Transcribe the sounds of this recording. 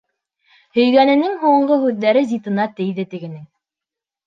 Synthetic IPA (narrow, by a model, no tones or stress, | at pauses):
hɵ̆jɡænɘ̆nɘŋɦuɴɢɤɦʉðːæɾɘzʲit̪ɤ̆nɑt̪ɘjðɘt̪ɘ̆ɡɘ̆nɘŋ